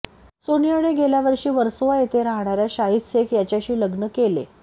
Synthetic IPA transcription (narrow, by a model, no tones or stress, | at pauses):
sonijaɽ̃eɡeljaʋəɾɕiːʋəɾsoʋajet̪ʰeɾaɦɳ̃aɾjaɕaɦit̪sekʰjat͡ɕjaɕiːləɡnəkelḛ